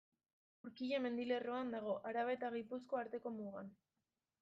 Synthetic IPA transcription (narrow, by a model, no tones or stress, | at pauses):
uɾkiʎame̞nd̪ile̞roand̪aɣ̞o̞ʔaɾaβ̞e̞t̪aɣ̞ipusko̞aɾt̪e̞ko̞muɣan